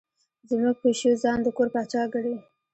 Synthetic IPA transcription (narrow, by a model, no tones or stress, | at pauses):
zmuɡ̚peʃozɑnd̪əkoɾpɑt͡ʃɑɡəɽe